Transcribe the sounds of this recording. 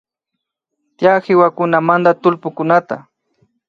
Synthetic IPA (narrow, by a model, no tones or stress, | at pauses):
t̪jahɪwakʊnamand̪at̪ʊlpʊkʊnat̪a̰